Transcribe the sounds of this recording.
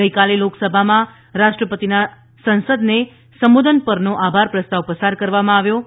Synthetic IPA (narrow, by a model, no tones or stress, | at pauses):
əjkaleloksəbʱamã | ɾaʃʈɾəpət̪ina | sənsəd̪ne | səmʋod̪ʱənpəɾnoʔabʱaɾpɾəst̪aʋpəsaɾkəɾʋamãaʋjo